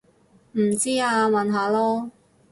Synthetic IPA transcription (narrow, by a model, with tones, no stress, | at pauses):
m̩˨˩t͡siː˥aː˧mɐ˨nɦaː˨˧lɔː˥